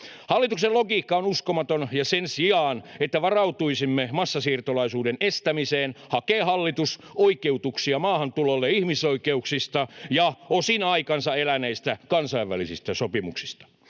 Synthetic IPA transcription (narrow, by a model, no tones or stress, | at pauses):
hɑlːit̪ukseloɡiːkːɑonuskomɑt̪onjɑsensiɑːnet̪ːæʋɑrɑut̪uisimːemɑsːɑsiːrt̪olɑisuːdenest̪æmiseːnhɑkeːhɑlːit̪us | oikeut̪uksiɑmɑːhɑnt̪ulolːeihmisoikeuksist̪ɑjɑosinɑikɑnsɑelæneist̪ækɑnsɑiʋːælisist̪æsopimṵksi̥st̪ɑ̥